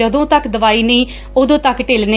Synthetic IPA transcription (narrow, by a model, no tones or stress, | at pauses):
əd̪õːt̪əkd̪əʋaːiːnəĩː | oːd̪õːt̪əkʈɪlne